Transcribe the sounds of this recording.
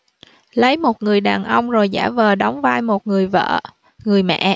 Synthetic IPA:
lə˨˦jmo˨˩t̚ŋɨ˨˩əjɗaː˨˩nʔə˧wŋ͡mzo˨˩jzaː˧˩vəː˨˩ɗa˨˦wŋ͡mvaː˧jmo˨˩t̚ŋɨ˨˩əjvə̰ː˧˨ | ŋɨ˨˩əjmɛ̰˧˨

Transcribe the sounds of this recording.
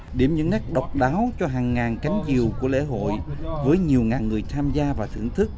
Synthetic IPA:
ɗi˧˩əmɲɨ̰˧˥ŋːa˦˥k̚ɗə˨˩wk͡p̚ɗaː˨˦wt͡ɕɔ˧ɦaː˨˩ŋːaː˨˩nka˨˦jŋ̟t͡ɕi˨˩əwku˧˩əlḛ˧˥ɦo̰˧˨jvəː˨˦jɲi˨˩əwŋaː˨˩ŋːɨ˨˩əjt̪ʰaː˧mzaː˧vaː˨˩t̪ʰɨ̰˧˩əŋt̪ʰɨ˦˥k̚

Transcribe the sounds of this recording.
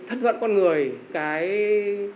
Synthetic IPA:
t̪ʰə˦˥t̚hwə̰˧˨nkɔ˧nŋɨ˨˩əjkaː˨˦j

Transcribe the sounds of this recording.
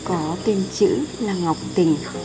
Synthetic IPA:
kɔ˨˦t̪i˧nt͡ɕɨ̰˧˥laː˨˩ŋa˨˩wk͡p̚t̪ï˨˩ŋ̟

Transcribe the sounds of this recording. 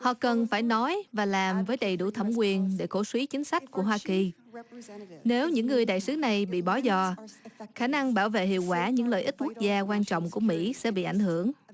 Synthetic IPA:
hɔ̰˧˨kə˨˩nfaː˧˩jnɔ˨˦jvaː˨˩laː˨˩mvəː˨˦jɗə˨˩jɗu˧˩t̪ʰə˧˩wŋ͡mkwi˨˩ənɗe˧˩ko˧˩swi˨˦t͡ɕï˨˦ŋ̟sa˦˥jk̟̚ku˧˩əɦwaː˧ki˨˩ | ne˨˦wɲɨ̰˧˥ŋːɨ˨˩əjɗaː˧˨jsɨ˨˦na˨˩jɓḭ˧˨ɓɔ˨˦zɔ˧˨˩xaː˧˩na˧ŋɓaː˧˩wvḛ˧˨hḭ˧˨əwkwaː˧˩ɲɨ̰˧˥ŋlə̰ː˧˨jʔi˦˥t̚kwu˦˥k̚zaː˧kwaː˧nt͡ɕɔ̰˧˨wŋ͡mku˧˩əmḭ˧˥sɛ̰˧˥ɓḭ˧˨ʔa˧˩jŋ̟hɨ˧˩əŋ

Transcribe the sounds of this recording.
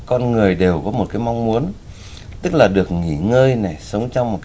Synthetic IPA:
kɔ˧nŋɨ˨˩əjɗe˨˩wkɔ˨˦mo˨˩t̚kaː˨˦jma˧wŋ͡mmu˨˦ən | t̪ɨ˦˥k̚laː˨˩ɗɨ˨˩ək̚ŋḭ˧˩ŋəː˧jna˨˩sə˨˦wŋ͡mt͡ɕɔ˧wŋ͡mmo˨˩t̚k

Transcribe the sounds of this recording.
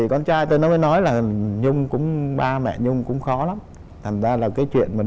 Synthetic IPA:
ḭ˧˨˩kɔ˧nt͡ɕaː˧jt̪o˧jnɔ˨˦məː˨˦jnɔ˨˦jlaː˨˩ɲʊ˧ŋ͡mkʊ̰˧˥ŋ͡mɓaː˧mɛ̰˧˨ɲʊ˧ŋ͡mkʊ̰˧˥ŋ͡mxɔ˨˦la˨˦m | t̪ʰa˨˩ŋ̟zaː˧laː˨˩kaː˨˦jt͡ɕwḭ˧˨ənmaː˨˩

